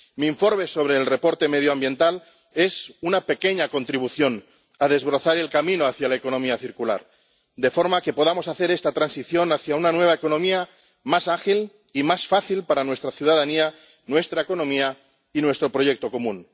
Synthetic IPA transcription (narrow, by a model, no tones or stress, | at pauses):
miːɱfo̞ɾme̞so̞βɾe̞ːlre̞po̞ɾt̪e̞me̞ð̞joãmbje̞nt̪al | e̞sunape̞ke̞ɲako̞nt̪ɾiβuθjo̞n | aðe̞zβɾo̞θaɾe̞lkamĩnoaθjalaeko̞nõ̞miaθiɾkula̰ɾ | d̪e̞fo̞ɾmake̞po̞ðamo̞saθe̞ɾe̞st̪at̪ɾansiθjo̞naθjaunanwe̞β̞aeko̞nõ̞mia | masaxil | imasfaθilpaɾanwe̞st̪ɾaθjuðaðania | nwe̞st̪ɾaeko̞nõ̞mia | inwe̞st̪ɾo̞pɾo̞je̞k̚t̪o̞ko̞mũn